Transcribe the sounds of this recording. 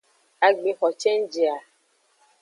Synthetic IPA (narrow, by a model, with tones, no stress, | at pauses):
a˨ɡ͡be˨xɔ˨t͡ʃɛ̃˦n˦d͡ʒe˨a˨